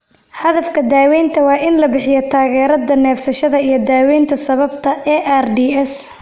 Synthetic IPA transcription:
ħɐðɐfkʰɐd̪aːwɛjnt̪ʰɐwɑːʔɪnlɐbɪħɪjɐt̪ʰaːɣɛːɾɐd̪ɐnɛːfsɐʃɐðɐijɞd̪aːwɛjnt̪ʰɐsɐβɐb̚t̪ʰɐʔɛːʔarɖiːɛs

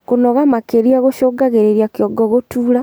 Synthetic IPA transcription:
konɔɣamakeɾiaɣoʃoɡaɣeɾeɾjakjɔɡɔɣotuːɾa

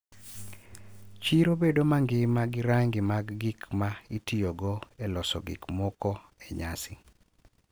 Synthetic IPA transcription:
t͡ʃiɾobedomaŋɡɪmaɡɪɾaŋɡɪmaɡːɪkmaitioɡɔelɔsɔ̰ɡɪ̰kmɔkɔ | ɛɲa̰sɪ

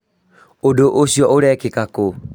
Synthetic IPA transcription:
odoʔosiɔʔoɾɛkekako

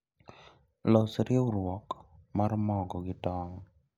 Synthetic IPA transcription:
lɔsɾɪeʊɾwɔkmaɾmɔɡɔɡɪtɔŋ

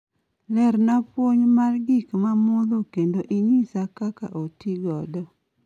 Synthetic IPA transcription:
lɛɾnapwoɲmarɡikmamʊðokendoʔiɲisakaka̰ʔotiɡɔdɔ

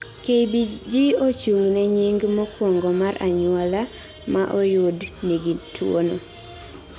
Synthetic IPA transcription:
kebid͡ʒiot͡ʃuŋnɛɲiŋɡmɔkwɔŋɡɔmaɾʔaɲwala | maʔɔjʊdniɡitʰwo̰no̰

